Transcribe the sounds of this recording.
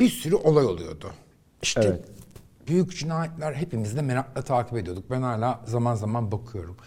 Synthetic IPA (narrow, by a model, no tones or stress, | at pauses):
biɾsyɾyʔo̞lˠajo̞lˠujo̞̰d̪ʊ | iʃt̪ʰɛ | byjycd͡ʒinaːjɛt̪lʲæɾɦe̞pimizd̪ɛmeɾak̚lˠat̪ʰaːcʰipd̪ijo̞d̪uk̚bænhalʲaːzamanzamanbakʰɯjo̞ɾum